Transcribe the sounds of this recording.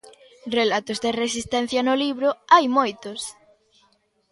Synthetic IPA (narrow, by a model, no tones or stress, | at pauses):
relat̪ozðeres̬ist̪ɛn̟θjɐnʊliβɾʊajmojt̪ʊs